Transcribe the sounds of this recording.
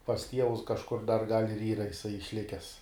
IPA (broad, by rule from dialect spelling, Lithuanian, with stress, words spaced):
pɐs ˈtʲiɛʋʊs kɐʃˈkʊr dɐr ɡɐlʲ ɪr ˈiːrɐ ɪˈsɐɪ ɪʃʲˈlʲɪkʲɛs